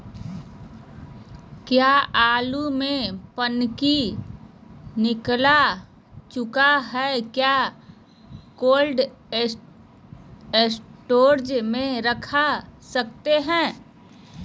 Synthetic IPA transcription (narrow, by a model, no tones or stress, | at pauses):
kjaːaːlumẽpənki | nɪkla | t͡ʃʊkaɦɛːkjaː | koːlɖ | esʈoːɾd͡ʒmẽɾəkʰasək̚t̪eɦɛ̃ː